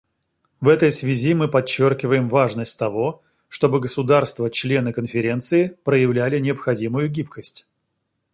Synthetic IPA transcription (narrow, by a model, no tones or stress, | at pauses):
vɛt̪əjsvʲɪzʲimɨpɐt͡ɕːorkʲɪvəjɪmvaʐnəsʲtʲt̪ɐvo̞ | ʂt̪o̞bɨɡəsʊd̪arst̪vət͡ɕlʲe̞nɨkənfʲɪɾʲe̞nt̪sɨɪpɾəjɪvlʲælʲɪnʲɪəpxɐdʲimʊjʊɡʲipkəsʲtʲ